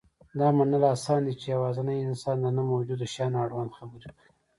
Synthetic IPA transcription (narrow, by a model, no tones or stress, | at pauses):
d̪ɑmanalasɑnd̪it͡ʃejawɑzanajɪnsɑnd̪ənamawd͡ʒud̪ʃɑnaɽwand̪xabuɾki